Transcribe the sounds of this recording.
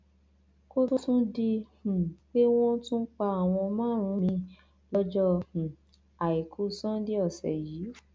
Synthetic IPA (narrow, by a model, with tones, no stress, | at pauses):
ko˦tu˦tũ˦di˧h̩˨k͡pe˦w̃ɔ̃˦tũ˦k͡pa˧a˨w̃ɔ̃˧mãː˦ɾ̃ũ˨˧˦mĩ˧ | lɔ˦d͡ʒɔ˦h̩˨ | a˨i˨kʰu˨˦sã˦di˦ɔ˦˨sɛ̰˨jiː˨˦